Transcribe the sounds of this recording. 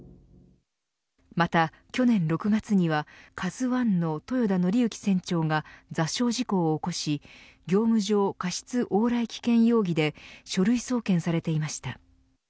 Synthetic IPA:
mat̪a | kʲo̞nẽ̞nɾo̞kɯ̟ɡat͡sɨɲ̟iβakʰazɨβãnːo̞t̪o̞jo̞d̪ano̞ɾʲiɯ̟kʲi̥sẽ̞ɲ̟t͡ɕo̞ːŋad͡zaɕo̞ːʑiko̞ːko̞ɕi | ɡʲo̞ːmɯ̟ʑo̞ːkaɕi̥t͡sɨʔo̞ːɾaikʲi̥kẽ̞ɰ̃jo̞ːɡʲid̪e̞ɕo̞ɾɯ̟iso̞ːkẽ̞ɰ̃saɾe̞t̪e̞imaɕi̥t̪a

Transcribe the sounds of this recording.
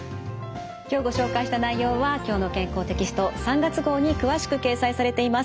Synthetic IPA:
kʲo̞ːɡo̞ɕo̞ːkaiɕi̥t̪anaijo̞ːβakʲo̞ːno̞kẽ̞ŋko̞ːt̪e̞kʲisɨ̥t̪o̞sãŋɡat͡sɨɡo̞ːɲ̟ikɯ̟βaɕi̥kɯ̟ke̞ːsaisaɾe̞t̪e̞imas

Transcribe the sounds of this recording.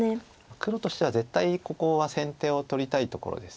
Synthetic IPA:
e | akɯ̟ɾo̞t̪o̞ɕi̥t̪e̞βaze̞t̪ːaiko̞ko̞βasẽ̞nt̪e̞ːo̞t̪o̞ɾʲit̪ait̪o̞ko̞̰ɾo̰d̪e̞sɨ̥

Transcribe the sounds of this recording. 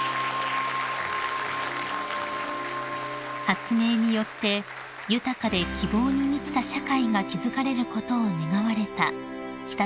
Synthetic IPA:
hat͡sɨme̞ːɲ̟ijo̞t̪ːe̞ | jɯ̟t̪akad̪e̞kʲibo̞ːɲ̟imʲit͡ɕi̥t̪aɕakaiɡakʲizɨkaɾe̞ɾɯ̟ko̞t̪o̞ːne̞ɡaβaɾe̞t̪a̰ | çʲi̥t̪a

